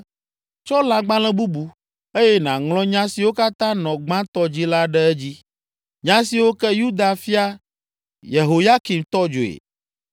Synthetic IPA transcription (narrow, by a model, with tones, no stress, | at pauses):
t͡ʃɔ˦la˨ɡ͡bã˦lɛ̃˦bu˦bu˨ | e˦jɛ˦nã˨ŋlɔ̃˦ɲã˦si˨wo˦ka˦t̪ã˦nɔ̃˨ɡ͡bã˦t̪ɔ˦d͡ʑi˦la˦ɖɛ˦ɛ˦d͡ʑi˦ | ɲã˦si˨wo˦kɛ˦ju˦d̪a˨fi˦a˦ | je˨ɦo˨ja˦ki˨mt̪ɔ˦d͡ʒo˨ḛ˨